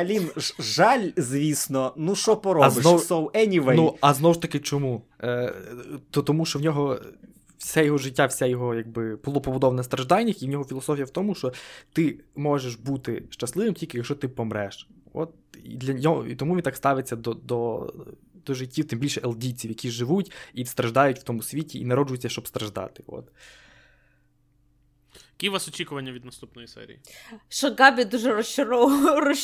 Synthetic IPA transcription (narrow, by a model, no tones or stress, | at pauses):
ɐlʲinʒɑlʲzʲʋʲisnɔnuʃt͡ʃɔpɔɾɔzb̪ɪnɔsɔwɛnʲiʋɛnuɐznɔwʊʃt̪ɐkɪt͡ʃɔmu | t̪ɔt̪ɔmuʃt͡ʃɔwnʲɔɦɔ | wsʲɛjɔɦɔʒɪtʲːawsʲɛjɔɦɔjaɡ̚bɪpɔlˠɔpɔbud̪ɔʋɐnɐst̪ɾɐʒd̪ɑjʲnʲɪxiwnɔɦɔfʲilˠɔsɔfʲjɐwt̪ɔmuʃt͡ʃɔt̪ɪmɔʒeʃbut̪ɪʃt͡ʃɐslˠɪʋɪmtʲilʲkɪjɐkʃt͡ʃɔt̪ɪpɔmɾɛʃɔ̰t̪̚ | ḭd̪lʲɐɔɔ̰it̪ɔmuʋʲint̪ɑkst̪ɑʋɪt͡sʲːɐd̪ɔd̪ɔ | d̪̥ɔʒɪtʲːiwt̪ɪmbʲilʲʃɛʔelˠdʲit͡sʲiwjɐkʲiʒɪʋutʲist̪ɾɐʒd̪ɑjʊtʲw̥t̪ɔmusʲʋʲitʲiinɐɾɔd͡ʒʊjʊtt͡sʲːɐʃt͡ʃɔbst̪ɾɐʒd̪ɑ̰t̪ɪ̥ɔ̰t̪ | jɐkʲiʋasɔt͡ʃʲikʊʋɐnʲːɐʋʲid̪nɐst̪upnɔjisɛ̰ɾʲḭiʃɐɡɑbʲid̪uʒɛɾɔst͡ʃɪɾɔʋɾɔ